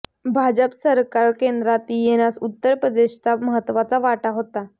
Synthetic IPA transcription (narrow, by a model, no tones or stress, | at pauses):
bʱad͡ʑəpsəɾkaɾkend̪ɾat̪jenasut̪ːəɾpɾəd̪eɕt͡saməɦət̪ːʋat͡saʋaʈaɦot̪a